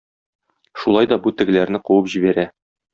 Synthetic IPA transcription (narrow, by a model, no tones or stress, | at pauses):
ʃulˠɑjd̪ɒbut̪ɘ̆ɡɘ̆læɾnɘquwɤpʑibæɾæ